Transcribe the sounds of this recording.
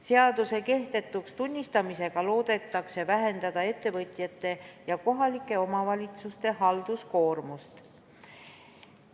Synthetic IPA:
se̞ɑd̪use̞ke̞ht̪e̞t̪ːˑukst̪unʲːist̪ɑmise̞ɡ̥ɑlo̞ːd̪̥e̞t̪ːˑɑkse̞væɦe̞nd̪̥ɑd̪̥ɑe̞t̪ˑːe̞vɤt̪ʲˑjɑt̪ːˑe̞jɑko̞ɦɑlikːˑe̞o̞mɑvɑlʲit̪sust̪e̞ɦɑld̪̥usko̞ːrmust̪

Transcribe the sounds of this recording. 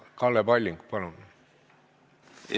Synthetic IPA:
kɑlːepɑlʲːiŋkpɑnunu

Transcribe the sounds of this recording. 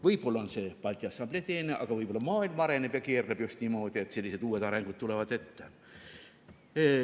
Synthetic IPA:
ʋɤjpolɑonsepɑlʲt̪ʲːiɑsːɑmblʲet̪eːneʔɑ̰kɑvɤjpolːɑmɑːilmɑɾenepjɑkeːrlebjust̪nʲimoːd̪iet̪selːiset̪uːet̪ɑɾeŋɡ̥ut̪̚t̪ulevʋɑd̪e̞t̪ːæ̥

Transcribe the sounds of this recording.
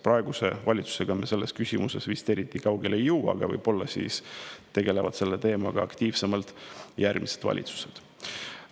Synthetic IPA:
prɑeɡ̥use̞̰vɑlʲit̪su̥se̞ɡ̥ɑmese̞lːeskysʲimuse̞svist̪e̞ɾit̪ːikɑwɡ̥e̞lejːɤwɑ̰ɡ̥ɑvɤ̰jb̥o̞lːɑsḭːst̪e̞ɡe̞levɑ̰d̪̥se̞lːet̪e̞ːmɑɡ̥ɑɑkt̪iːv̥se̞mɑlt̪ˑjærmise̞d̪̥vɑ̰lʲʔḭt̪su̥se̞d̪̥

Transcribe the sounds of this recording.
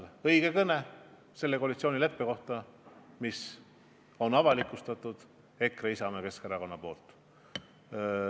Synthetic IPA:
ɤ̞jɡ̥e̞kɤne | se̞lːekoːlit̪sio̞ːnʲile̞pːeko̞ht̪ɑ | mis | o̞nɑvɑlikːˑust̪ɑt̪ˑud̪̥ | e̞kreisɑmeke̞skeɾɑko̞nːɑpo̞ːlt̪ˑ

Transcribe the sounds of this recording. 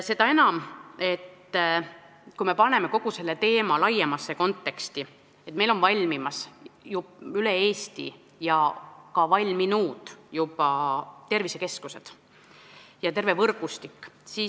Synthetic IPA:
se̞d̪ɑe̞nɑme̞t̪ː | kujme̞pɑne̞me̞ko̞ɡ̥use̞lːe̞t̪e̞ːmɑlɑjːemɑsːeko̞nt̪ːˑe̞kst̪i | et̪ːˑme̞jlo̞nvɑlʲmimɑsjuylee̞ːst̪ḭ | jɑkɑvɑlʲminuːd̪̥jupɑt̪e̞rvise̞ke̞skuse̞d̪̥ | jɑt̪e̞ɾve̞vɤrɡ̥ust̪ikːsiː

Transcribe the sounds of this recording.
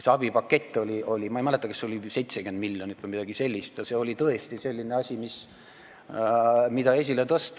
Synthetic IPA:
seɑb̥ipɑkːe̞t̪ʲːˑo̞lʲiʔo̞lʲimɑejmæle̞t̪ːˑɑkɑsːeolʲise̞jt̪seɡend̪milʲːjo̞nit̪ːʋeimid̪̥ɑɡ̥ise̞lʲːist̪jɑse̞o̞lʲit̪ɤe̞st̪ise̞lʲːineɑsʲimis | mid̪ɑe̞s̬ʲilet̪ɤst̪

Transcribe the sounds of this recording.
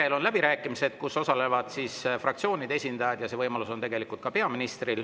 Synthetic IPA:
elo̞nlæb̥iɾæːkːˑimise̞d̪̥kuso̞sɑle̞vɑd̪̥sisfrɑk̚tsio̞ːnid̪e̞sʲind̪ɑjɑd̪̥jɑse̞vɤjmɑluso̞nt̪e̞ɡe̞likult̪kɑpe̞ɑminist̪ril

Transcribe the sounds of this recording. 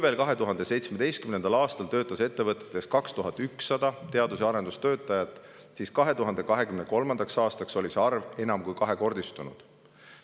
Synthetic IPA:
kuve̞ːlkɑɦe̞t̪uɦɑnd̪e̞se̞jt̪smed̪e̞jst̪kymne̞nd̪̥ɑlɑːst̪ɑlt̪ø̞ːt̪ːˑɑse̞t̪ːe̞vɤt̪ːˑe̥t̪ːˑe̞skɑkst̪uɦɑt̪ːyksːɑd̪̥ɑt̪e̞ɑd̪us̬jɑɾe̞nd̪̥ust̪øːt̪ːˑɑjɑt̪ːˑ | siːskɑɦe̞t̪uɦɑnd̪e̞kɑɦe̞kymneko̞lmɑnd̪̥ɑksɑːst̪ɑkso̞lʲiseɑrve̞nɑmkujkɑɦe̞ko̞rd̪ist̪unṵd̪̥

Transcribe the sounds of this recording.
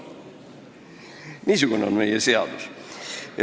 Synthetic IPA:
niːs̬ukuneonme̞jese̞ɑ̰d̪̥us

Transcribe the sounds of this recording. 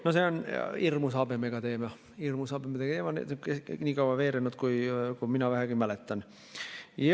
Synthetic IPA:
noseonirmusɑbemekɑd̪eːmiɑ | irmusɑbemet̪ek̪emɑnḛt̪eniːkɑwʋɑʋeːɾenut̪kuikuminæʋæhæɡimælet̪ːæn | j

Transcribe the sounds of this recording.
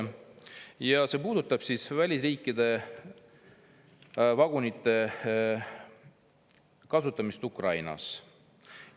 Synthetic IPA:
jɑse̞ːpuːd̪̥ut̪ːˑɑb̥sisvælʲisriːkːˑid̪̥e̞ | vɑɡ̥unit̪ˑːe̞ | kɑsut̪ˑːɑmist̪ukrɑjnɑ̰s

